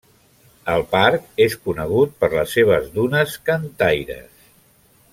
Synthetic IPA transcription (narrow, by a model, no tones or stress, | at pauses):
əlˠpaɾkeskunəɣ̞ut̪̚pəɾləsːeβ̞əzðunəskənt̪ajɾə̰s